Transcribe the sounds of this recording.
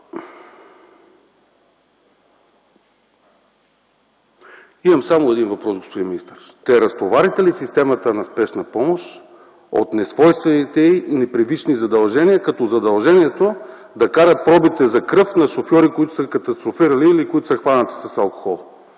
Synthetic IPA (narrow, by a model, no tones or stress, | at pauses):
imɐmsamoɛd̪invɐpɾɔsɡospod̪inminist̪əɾ | t̪ɛɾɐst̪ovaɾit̪ɛlisist̪ɛmɐt̪ənɐspɛʃnɐpɔmoʃ | o̰t̪nɛsvɔjst̪vɛnit̪ɛinɛpɾivit͡ʃnizɐd̪ɐlˠʒɛniɐkɐt̪ɔzɐd̪ɐlˠʒɛniɛt̪o | d̪ɐkaɾət̪̚pɾɔbit̪ɛzɐkɾɤfnɐʃofjɔɾikoit̪ʊ̥sɐkɐt̪ɐst̪ɾofiɾɐliːliːkoit̪ʊ̥səxvanət̪i̥sɐsɐlˠko̥xɔlˠ